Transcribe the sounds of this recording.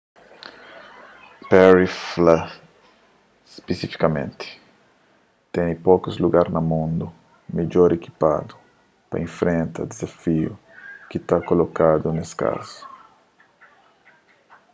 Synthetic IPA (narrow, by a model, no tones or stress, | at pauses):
pɛɾifla | spesifi̥kamḛ̃nt̪ɪ̥ | t̪ɛnipokʊzluɡaɾnɐmũnd̪ʊ | meʎoɾeki̥pa̰d̪ʊ | pɐ̰ẽfɾẽnt̪ɐ̰d̪ezafiʊ̰ | kit̪akolokad̪ʊneska̰zʊ̥